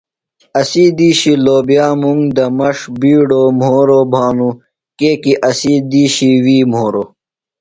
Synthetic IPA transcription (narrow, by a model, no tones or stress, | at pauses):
ɐsid̪iːɕiloːbjaːmuŋd̪ɐmɐʂbiːɖoːmɦoːɾobʱaːnu | keːkiʔɐsid̪iːɕiwiːmɦoːɾoː